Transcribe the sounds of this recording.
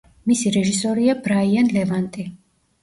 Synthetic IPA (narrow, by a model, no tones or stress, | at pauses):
misiɾɛʒisɔɾiabɾaianlɛvant̪ʼi